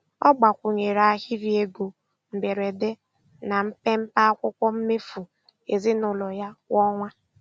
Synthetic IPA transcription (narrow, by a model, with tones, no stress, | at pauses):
ɔ˦ɡ͡ba˨kʷʊ˨ɲe˨ɾa˨˦hi˦ɾi˨e˦ɡo˨ | m̩˨be˨ɾe˨de˦ | na˨m̩˦pe˦m̩˦pa˦a˦kʷʊ˦kʷɔ˦m̩˦me˦fu˨ | e˨zɪ˦nʊ˨lɔ˨ja˦wɔ˦ŋʷa˦